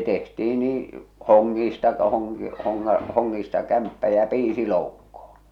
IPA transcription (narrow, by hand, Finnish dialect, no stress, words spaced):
tehtiː niː hoŋːiːstɑ hoŋki hoŋːɑ hoŋːiːstɑ kæmpːæ jɑ piːsi loukːoh̞o̥n̥